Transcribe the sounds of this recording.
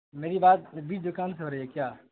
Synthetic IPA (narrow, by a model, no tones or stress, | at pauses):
meːɾibaːt̪̚biːt͡ʃd̪ʊkaːnseɦoːɾəiekjaː